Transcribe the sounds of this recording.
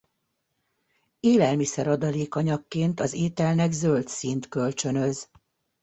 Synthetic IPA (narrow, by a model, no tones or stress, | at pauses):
eːlɛlmisɛɾɒd̪ɒleːkɒɲɒkːeːnt̪ɒzeːt̪ɛlnɛɡzø̞lt̪sint̪kø̞lt͡ʃø̞nø̞z